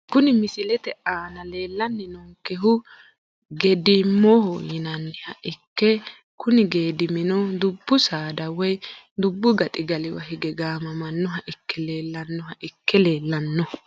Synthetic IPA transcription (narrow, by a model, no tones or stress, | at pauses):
kʊnɪmɪsɪlɛt̪ɛʔaːnɐle̞ːlːɐnːɪnɔŋkɛɦʊ | ɡɛd̪ɪmɔhɔjɪnɐnːɪhɐʔɪkːɛ | kʊnɪɡe̞ːd̪ɪmɪnɔd̪ʊbːʊsaːd̪ɐwɔj | d̪ʊbːʊɡɐt̪ʼɪɡɐlɪwɐ̰hɪɡɛɡaːmɐmɐnːɔɦɐʔɪkʰːɛle̞ːlːɐnːɔɦɐʔɪkːɛleːlːɐnːɔ